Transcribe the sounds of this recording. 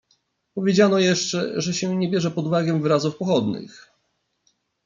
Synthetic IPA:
pɔvʲjed͡ʑanɔjɛʂt͡ʂɛ̰ʐɛɕɛɲɛbʲjɛʐɛpɔd̪uvaɡʲɛ̃vɘɾazufpɔxɔd̪nɘ̰x

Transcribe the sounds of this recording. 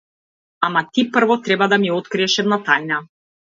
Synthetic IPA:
amat̪ipr̩vɔt̪ɾɛbad̪amiɔt̪kɾiɛʃɛmnat̪ajnʲa

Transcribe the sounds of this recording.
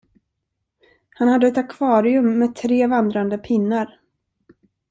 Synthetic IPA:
hanhad̪ːəɛt̪akʰv̥ɑːɾɪɵmːɛːt̪ʰɾeːvand̪ɾand̪əpʰɪnːaɾ

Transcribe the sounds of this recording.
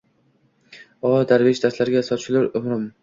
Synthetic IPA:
ɒd̪aɾvɪt͡ʃd̪ast̪laɾɡʲasɒt͡ʃʰɪlaɾʊmɾɪm

